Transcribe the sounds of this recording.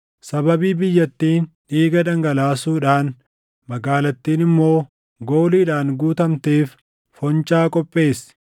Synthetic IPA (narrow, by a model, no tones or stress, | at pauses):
sɐbɐbiːbɪjːɐt̪ːiːnᶑiːɡɐᶑɐŋɡɐlaːsuːᶑaːn | mɐɡaːlɐt̪ːiːnɪmːo̞ː | ɡoːliːᶑaːnɡuːt̪ɐmt̪eːf | fɔnt͡ʃʼaːkʼɔpʼːe̞ːs